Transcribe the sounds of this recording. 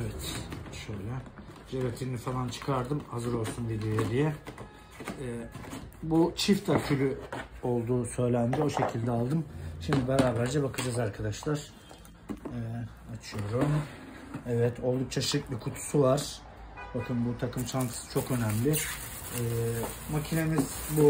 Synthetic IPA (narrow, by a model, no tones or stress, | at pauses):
evɛt̪ʃøjlʲɛ | d͡ʒeɾet̪ʰiɾnifalˠant͡ʃʰɯ̥kʰaɾd̪ɯmhazɯɾo̞lˠsunbid̪ejelʲijɛ | but͡ʃʰift̪ʰac̪ʰybyo̞lˠd̪uːsø̞jlʲænd̪io̞ʃe̞cʰilʲd̪ɛalˠd̪ɯmʃimd̪ibeɾaːbæɾd͡ʒɛbakʰɯd͡ʒazaɾkʰad̪aʃlˠaɾ̥ | ɛ | at͡ʃʰɯjo̞ɾum | ɛvɛt̪ʰo̞lˠd̪uk̚t͡ʃʰaʃit̪bʲikʰut̪ʰu̥suvaɾ̥ | bakʰɯnbut̪ʰakʰɯmt͡ʃʰankʰɯ̥sɯ̥t͡ʃʰo̞kø̞næmlʲɪ | ɛːmacʰine̞mizbu